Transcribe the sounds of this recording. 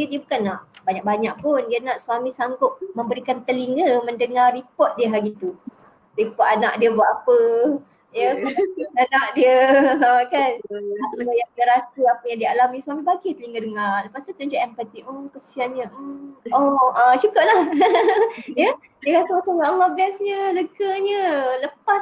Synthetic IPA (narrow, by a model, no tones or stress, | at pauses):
diədiəbukanːaʔbaɲaʔ̚baɲaʔ̚pʊndiənaʔswamĩsaŋɡʊp̚məmbəɾikant̪əliŋəməndəŋaripɔt̪̚diəɦaɡit̪u | ripɔt̪anaʔdiəbaʔapə | jəaaianaʔ̚diəəkanəsəmajaŋdiəɾasəapəjaŋdialamnĩswamibaɡit̪əliŋədəŋaləpast̪ut̪uɲd͡ʒoʔɛmpət̪iʔokəsianɲəəɔət͡ʃukʊp̚lah | jə | diəɾasəmat͡ʃawaalːɔhbɛsɲələɡəɲə̃ləpas